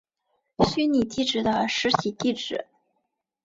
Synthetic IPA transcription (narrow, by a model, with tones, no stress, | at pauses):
ɕy˥ni˨˩t̪i˥˩ʈ͡ʂɻ̩˨˩d̪ə˧˦ʂɻ̩˧˥ɕi˨˩t̪i˥˩ʈ͡ʂɻ̩˨˩˦